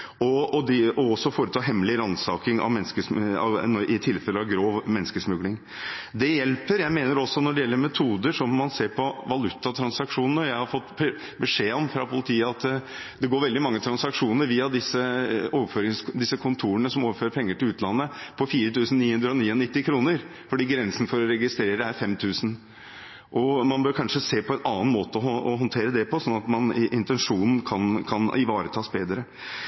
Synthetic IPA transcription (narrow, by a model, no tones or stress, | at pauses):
ɔːd̪ɛɔɔsːɔfoːɾət̪ʰɑːɦɛmːlɪɾɑnsɑːkɪŋɑ̰ʋmɛnskəsɑ̰nʔɪt̪ʰɪlfɛləɑʋɡɾoːʋmɛnːəskəsmʉɡlɪŋ | d̪ɛjɛlpəɾjæɪmeːnəɾɔsːɔnɔɖɛjɛlːəɾmɛt̪ʰuːd̪əʂɔmːɑnseːɾpʰɔʋɑlʉt̪ːɑt̪ʰɾɑnsɑkʂuːnn̩əɾjæɪhɑɾfɔt̪ːb | bəʂeːɔmfɾɑpʰʊlət̪ʰiːəɑt̪ | d̪ɛɡoːɾʋɛld̪ɪmɑŋːət̪ʰɾɑnsɑkʂuːnəɾʋiːɑd̪ɪsːəoːʋəføːɾɪŋsd̪ɪsːəkʰʊnt̪ʰuːənəsɔmoːʋəføːɾəpʰɛŋːəʈɪlʉːt̪lɑnːəpʰɔfiːɾət̪ʰʉːsn̩niːhʉnd̪ɾəɔniːɔnɪt̪ːɪkʰɾuːnəɾ | fɔɖiːɡɾɛnsn̩fɔɾɔɾɛɡɪst̪ɾeːɾəæɾfɛmt̪ʰʉːsn̩ | ʔɔmɑnbøːɾkʰɑnʂəseːpʰɔɛnɑːnmoːt̪əɔɔɦɔnt̪ʰeːɾəd̪ɛpɔsɔnːɑt̪mɑnʔɪnt̪ɛnʂuːnn̩kʰɑnkʰɑnɪʋɑːɾət̪ʰɑːsbeːd̪ɾə